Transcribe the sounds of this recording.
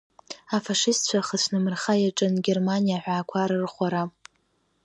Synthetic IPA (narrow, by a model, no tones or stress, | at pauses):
afaʂɪstt͡ɕʷʰaχət͡ɕʷʰnɨmɨrχajaʈ͡ʂʼɨnɡʲermanijaħʷᶣaːkʷʰaɾɨrχʷaɾa